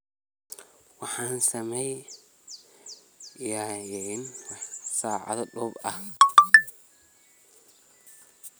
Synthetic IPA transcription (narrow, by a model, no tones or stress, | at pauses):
wɑħɑːnsɐmɛj | jaːjɛnwsaːʕɑ̰ðɐɖɔːbɐh